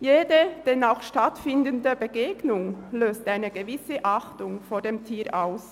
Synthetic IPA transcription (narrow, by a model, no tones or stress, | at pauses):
jeːdəd̥ɛnaʊxʃtatfɪndəndəbəɡeːɡnʊŋløːstʔaɪnəɡəvɪsəʔaχtʊŋfoːdeːmtʰiːɾʔaʊs